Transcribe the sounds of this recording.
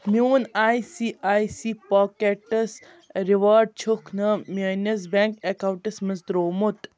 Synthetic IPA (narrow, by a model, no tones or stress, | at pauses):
mjuːnaːjsiaːjsiːpaːkeʈɐs | ɾiʋaːɾɖ̚t͡ʃʰukʰnɐmʲɐnɐs̬baŋkekawʈɐsmɐsd̪ɾoːmut̪